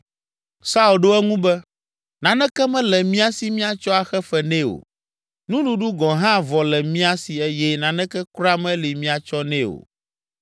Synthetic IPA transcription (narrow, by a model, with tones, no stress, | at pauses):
sa˦u˨lɖo˦ɛ˦ŋũ˦bɛ˦ | nã˨nɛ̃˦kɛ˦mɛ̃˦lɛ˨mĩ˦a˦si˦mĩ˦a˨t͡ʃɔ˦a˨xɛ˦fɛ˦nɛ̃˦o̰˨ | nũ˦nũ˦ɖu˦ɡɔ̃˨ɦã˦˨vɔ˨lɛ˨mĩ˦a˦si˨ɛ˦jɛ˦nã˨nɛ̃˦kɛ˦kɾa˦mɛ̃˦li˨mĩ˦a˨t͡ʃɔ˦nɛ̃˦o̰˨